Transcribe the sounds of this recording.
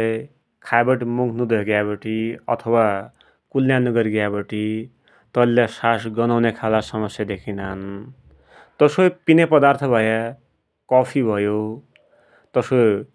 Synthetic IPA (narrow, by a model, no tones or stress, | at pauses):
kʰajbʌʈmuɡʰʱnud̪ʌɡjabʌʈʰiʌ̰t̪ʰʌwa | kulːjanuɡʌɾiɡjabʌʈi | t̪ʌlːasasɡʌnawnekʰalasʌmʌsjad̪ekʰinan | t̪ʌsopinepʌd̪art̪ʰʌbʱʌja | kʌpʰibʱʌjo | t̪ʌso